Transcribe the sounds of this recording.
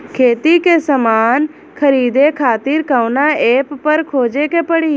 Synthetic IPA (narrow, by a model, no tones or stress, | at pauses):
kʰeːt̪ikesɐmaːn | kʰɐɾiːd̪ekʰaːt̪iːɾkəʋnaeːpːɐɾkʰoːd͡ʒekepəɽiː